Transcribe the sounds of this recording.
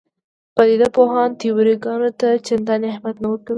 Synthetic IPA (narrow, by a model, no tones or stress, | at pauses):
pad̪id̪apoɦɑnt̪iwɾiɡɑnot̪at͡ʃɪnd̪ɑnahmat̪nawəkawi